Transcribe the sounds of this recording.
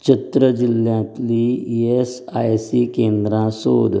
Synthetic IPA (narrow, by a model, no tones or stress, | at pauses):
t͡ɕət̪ɾəd͡ʑiljãt̪liesajsikend̪ɾãsoːd̪